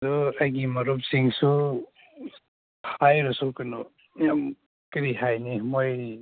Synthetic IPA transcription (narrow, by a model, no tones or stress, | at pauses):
dɔajɡimɐɾup̚siŋsu | hajɾɔsukɯnɔ | jam | kiɾihajnimoj